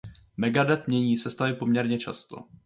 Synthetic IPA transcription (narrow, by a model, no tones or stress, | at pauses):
mɛɡadɛt̪mɲɛɲiːsɛst̪alɪpo̞mɲɛɾɲɛt͡ʃa̰st̪o̰